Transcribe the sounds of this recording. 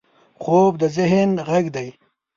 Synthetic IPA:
χoːbd̪əzɪɦɪnɣaɡd̪aj

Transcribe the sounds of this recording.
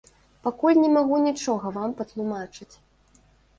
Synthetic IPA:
pakulʲnʲɛmaɣunʲit͡ʂɔɣɐvampɐt̪lˠumat͡ʂɨt͡sʲ

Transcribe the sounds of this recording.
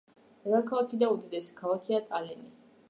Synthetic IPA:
ɾakʰalˠakʰid̪aud̪id̪ɛskʰalˠakʰiat̪ʼalɛni

